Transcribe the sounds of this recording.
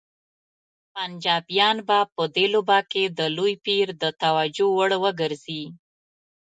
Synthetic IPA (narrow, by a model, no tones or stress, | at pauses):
pand͡ʒɑbjɑnbapəd̪elobɑked̪əlujpiɾd̪ət̪awad͡ʒowəɽwəɡəɾzi